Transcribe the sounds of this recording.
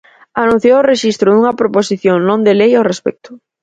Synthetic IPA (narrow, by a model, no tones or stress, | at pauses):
anũn̟θjoʊreʃist̪ɾʊðuŋɐpɾoposiθjoŋnõnd̪elejawrespɛ̰k̚t̪ʊ̥